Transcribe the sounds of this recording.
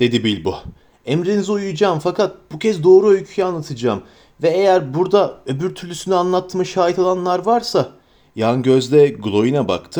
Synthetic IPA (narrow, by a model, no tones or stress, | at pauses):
d̪̥e̞d̪ibilʲbu | emɾinizujud͡ʒaːmfakʰat̪̚b̥ucʰɛzd̪o̞ːɾuø̞jcʰyjanlˠat̪ʰɯd͡ʒaːm | vɛejæɾbuɾd̪aø̞byɾt̪ʰyɾlʲysynɛanlˠat̪ʰːɯmɯʃaːjit̪olˠanlˠaɾvaɾsa | janɟø̞zd̪ɛɡulˠo̞jinaba̰kt̪ʰɯ